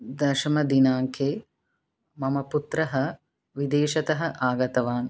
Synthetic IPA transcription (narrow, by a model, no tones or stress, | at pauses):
d̪ɐʃɐmɐd̪inaːŋkʰeː | mɐmɐput̪ɾɐɦɐ | ʋid̪eːʃɐt̪ɐɦɐʔaːɡɐt̪ɐʋaːn